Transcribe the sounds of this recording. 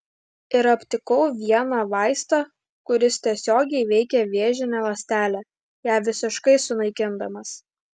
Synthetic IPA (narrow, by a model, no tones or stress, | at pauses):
ɪɾɐpʲt̪ʲɪkɔʊʋʲiɛnɑʋɑˑɪst̪ɑ | kʊɾʲɪst̪ʲiɛsʲoːɡʲɛɪʋʲɛɪkʲɛʋʲeːʒʲɪnʲɛlˠɐsʲt̪ʲæːlʲæ | jæːʋʲɪsʲɪʃkɐɪsʊnɐɪkʲɪnd̪ɐmɐs